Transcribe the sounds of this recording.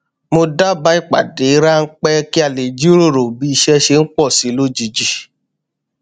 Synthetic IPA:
mo˧da˦ba˨˦i˦˨k͡pa̰˨de˨˦ɾa˦n̩˦k͡pɛ˦ki˦a˦˨le˨d͡ʒi˦ɾo˦˨ɾo˨bi˨˦i˧ʃɛ˧ʃe˧n̩˦k͡pɔ˦˨si˨˦lo˦d͡ʒi˧d͡ʒi˦

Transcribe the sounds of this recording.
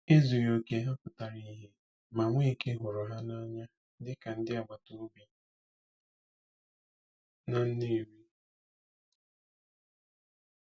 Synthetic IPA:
e˦zu˨jo˨ke˦ɦa˦pʊ˨ta˨ɾi˦ɦe˦ | ma˨ŋʷ˦i˦ke˦ɦʊ˨ɾʊ˨ɦa˦na˦ɲa˦ | dɪ˦ka˨n̩˦dɪ˦a˨ɡ͡ba˨tu˦bi˦ | na˨n̩˦ni˦˨ɾi˦

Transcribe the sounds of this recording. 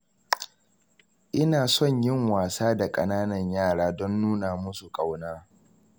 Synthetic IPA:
ʔɪ˦naː˨sɔ˦˨ɲjɪ˦˨ŋwaː˨saː˦da˨kʼɐ˦naː˦nɐ˨ɲjaː˦˨ɽaː˦dɔ˦nːuː˦naː˨mʊ˦su˨kʼa˨wnaː˦

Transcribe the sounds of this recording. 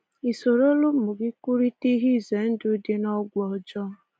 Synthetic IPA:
i˨so˨ɾo˦lʊ˦˨mʊ˨ɡɪ˦ku˦ɾi˦ti˦ɦi˦˨ze˨˦n̩˦dʊ˦de˦nɔ˦ɡʷɔ˨d͡ʒɔ˦

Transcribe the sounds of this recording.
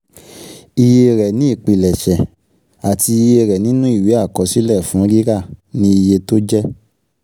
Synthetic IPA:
i˧je˧ɾɛ˨nĩ˨˦i˦˨k͡pi˨lɛ˨ʃɛ˨ | a˨ti˧i˧je˧ɾɛ˨nĩ˦nũ˦i˦˨wi˨˦a˦˨kɔ˨˦si˦lɛ˦˨fũ˨˦ɾi˦ɾa˦˨nĩ˦i˧je˧to˦d͡ʒɛ˦

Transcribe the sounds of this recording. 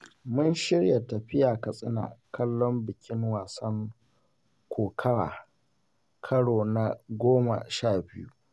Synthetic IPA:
mʊ˦nʃɪ˦ɽja˨tɐ˨ɸɪ˦jaː˨kɐ˨sʼɪ˦na̰ː˨kɐ˦lːɔ˦mbɪ˨kʲɪ˦ŋwaː˨sɐ˦ŋ | kʷʰoː˨kʰɐ˦ɽa̰ː˨ | kʰɐ˦ɽoː˨na˦ɡʷoː˦ma̰˨ʃaː˦˨bɪ˦jṵ˦ʔ

